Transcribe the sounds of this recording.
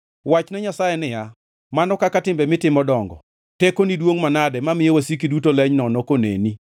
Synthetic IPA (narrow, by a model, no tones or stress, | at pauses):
wat͡ʃnɛɲasajɛnɪja | manɔkakatɪmbɛmɪtɪmɔdɔŋɡɔ̰ | tekonidwoŋmanadɛmamɪjewasikidutolɛɲnɔnɔkonḛni